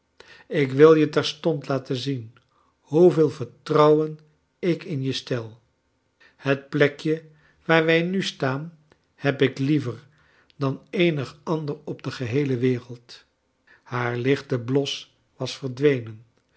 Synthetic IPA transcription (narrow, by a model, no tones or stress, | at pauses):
ɪkʋɪlˠjətɛɹstɔntlaːtənzin | huvɪːlˠvəɹtrʌwən | ɪkɪnjəstɛlˠ | hət̚plɛkjə | ʋaːɹʋɛjnystaːn | hɛpɪklivəɹ | dɑnejnəχɑndəɹɔb̚dəχəɦejləʋɪːrəlˠt | haːɹlɪχtəblɔs | ʋɑsfəɹdʋejnən